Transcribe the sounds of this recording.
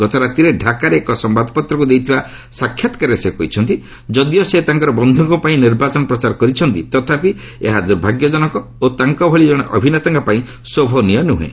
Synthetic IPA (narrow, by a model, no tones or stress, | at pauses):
ɡ̥ɔt̪ɔɾat̪iɾeɖʱakaɾeːkɔsɔmbad̪pɔt̪ɾɔkud̪ejt̪ʰiba | sakʰːjɔt̪ɔ̥kaɾesekɔit͡ʃʰɔnt̪i | d͡ʒɔd̪ijɔset̪aŋkɔɾɔbɔnd̪ʱɔŋkɔpaĩniɾbat͡ʃɔnɔpɾɔt͡ʃaɾɔkɔɾit͡ʃʰɔnt̪it̪ɔt̪ʰapi | ḛɦad̪uɾbʱaɡjɔd͡ʒɔnɔkɔ | ot̪aŋkɔbʱɔɭid͡ʒɔɽ̃eʔɔbʱinet̪aŋkɔpaĩ | sobʱɔnijɔnuɦḛ̃